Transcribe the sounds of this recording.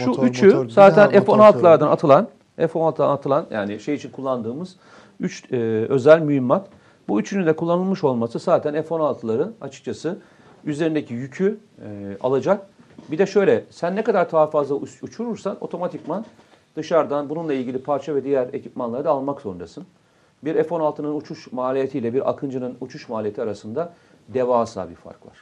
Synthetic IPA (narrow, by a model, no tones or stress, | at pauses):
ʃuyt͡ʃʰysaːt̪ʰænɛfonalˠt̪ʰɯlˠaɾd̪anat̪ʰɯlˠan | ɛfonalt̪ʰɯlanat̪ʰɯlˠanjʔa̰ːniʃe̞jit͡ʃʰinkʰulˠːand̪ɯːmɯz̥ | yt͡ʃːø̞zælʲmyjimːak̪ | buyt͡ʃʰynynd̪ɛkʰulˠːanɯlˠmɯʃo̞lˠmasɯsaːt̪ʰænɛfo̞nalˠt̪ʰɯlˠaɾɯa̰t͡ʃʰɯ̥k̚t͡ʃʰasɯ | yzeɾind̪ecʰijycʰy | a̰lˠad͡ʒak̚bid̪ɛʃø̞jlʲɛsænːɛkad̪aɾt̪ʰaːfazlˠaut͡ʃʰuɾuɾsano̞̰t̪ʰo̞mat̪ʰikman | d̪̥ɯʃaɾd̪anbununlˠailʲɟilʲipʰaɾt͡ʃʰavɛd̪ijæɾe̞̰cʰipmanlˠaɾɯd̪aːlˠmakso̞nɾasɯn | biɾefo̞nalˠt̪ʰɯnɯnut͡ʃʰuʃmaːlʲijet̪ʰiːlʲɛbiɾa̰kʰɯnd͡ʒɯnɯnut͡ʃʰuʃmaːlʲijet̪ʰiaɾasɯnd̪a | d̪evaːsa̰ːbiɾfa̰ɾkva̰ɾ̥